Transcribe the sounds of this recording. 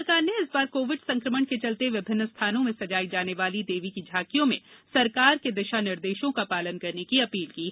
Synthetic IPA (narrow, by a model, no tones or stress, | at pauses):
kaːɾneɪsbaːɾkoːʋɪɖsɐ̃ŋkɾəməɳket͡ʃɐlt̪eʋɪbʱɪnːəst̪ʰaːnõmẽsɐd͡ʒaːid͡ʒaːneʋaːlid̪eːʋikid͡ʒʱaːkijõmḛ̃sɐɾkaːɾked̪ɪʃanɪɾd̪eːʃõkapaːlənkɐɾnekiɐpiːlkiː